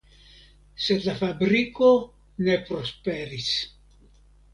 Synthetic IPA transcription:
sed̪lafabɾiko | nepɾospeɾis

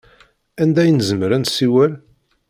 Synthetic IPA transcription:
ænd̪æjənzəməɾænsiwæl

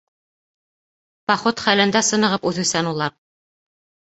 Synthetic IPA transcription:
pɑχot̪χælɘ̆nd̪æsɤ̆nɤ̆ʁɤpʉθɘ̆sænulˠɑɾ

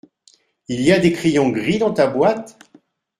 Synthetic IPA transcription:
ilijad̪ekχijɔ̃ɡʁid̪ɑ̃t̪abwat̪

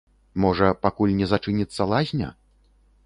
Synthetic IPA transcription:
mɔʐɐpakulʲnʲɛzat͡ʂɨnʲit̪sːɐlˠazʲnʲɐ̰

